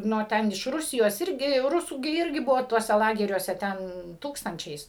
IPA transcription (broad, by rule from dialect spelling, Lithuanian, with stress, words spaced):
nʊ oː ˈtʲɛn ɪʃ ˈrʊsʲɪjoːs ˈɪrʲɡʲɪ ˈrʊsuː ɡʲɪ ˈɪrʲɡʲɪ ˈbʊʋoː tuɔˈsʲɛ ˈlˠɑːɡʲɛrʲuɔsʲɛ ˈtʲɛn ˈtuːkstɐnʲt͡ʃʲɛɪs